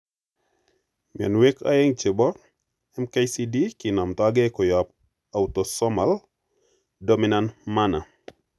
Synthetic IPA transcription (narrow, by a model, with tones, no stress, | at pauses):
mi˨ɛ̰˨nwe˦kʰa̰˦e˦ŋt͡ʃe˨bɔ˦ɾ | ɛmka˦jsi˦di˦ki˨na˨mt̪ɔa˦ɡe˦kɔ˨ja˨p | a˨ut̪ɔ˨sɔ˦ma˨l | do˦mi˦nanma˦na̰˨